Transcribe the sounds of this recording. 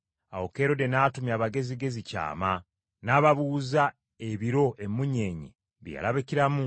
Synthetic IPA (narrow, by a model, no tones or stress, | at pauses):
a̰woke̞ːɾo̞denaːtumjaːβaɡe̞ziɡe̞zica̰ːma | naːβaβuːza | e̞βiɾo̞ʔe̞mːuɲe̞ːɲḛ | βja̰laβeciɾamu